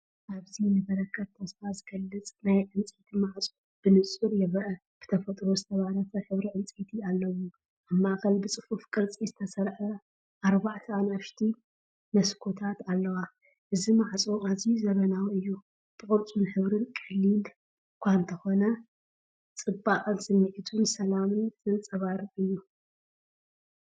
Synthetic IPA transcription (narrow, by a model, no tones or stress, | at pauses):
ʔaβzinɨbɐɾɐkʰːɐβt̪ʰɐsfazɨɡ̥ɐlːɨt͡sʼnajʕɨnt͡sʼet̪ʰimaʕt͡sʼo | b̥ɨnɨt͡sʼuɾjɛβɐʔɐ | b̥ɨ̥t̪ʰɐfɐt̪ʼɾozɨt̪ʰɐβaɾɐfɐħɨβɾiʕɨnt͡sʼet̪ʰialːɐwu | aβmaʔxɐlbɨt͡sʼɨfufkʼɨɾt͡sʼizɨt̪ʰɐsɐɾħɐ | ʔaɾβaʕt̪ʰɐanɐʃt̪ʰi | mɐskʰo̞t̪ʰat̪alːɐwa | ʔɨzimaʕt͡sʼoazizɐβɐnawiɨjːu | b̥ɨkʼɨɾt͡sʼunħɨβɾɨnkʼɐlːil | kʷʰant̪ʰɐxo̞nɐ | t͡sʼɨbakʼɨnsɨmːɨʕit̪ʰunsɐlamɨnzɨnt͡sʼɐβaɾɨjːu